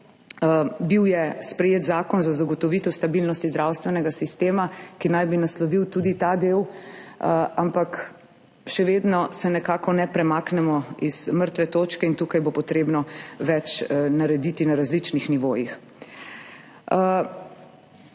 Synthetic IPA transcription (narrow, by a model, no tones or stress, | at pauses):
biwjɛspɾɛjeːt̪zaːkɔnzazaɡɔt̪ɔʋit̪ɔst̪abilnɔst̪izd̪ɾaːwst̪ʋɛnɛɡasist̪eːmakinajbinaslɔʋiwt̪uːd̪it̪ad̪eːw | ampak | ʃɛʋed̪nɔsɛnɛkaːkɔnɛpɾɛmaːknɛmɔiz̥məɾt̪ʋɛt̪oːt͡ʃkɛint̪ukajbopɔt̪ɾeːbnɔʋɛt͡ʃnaɾɛd̪it̪inaɾazlit͡ʃnixniʋoːjix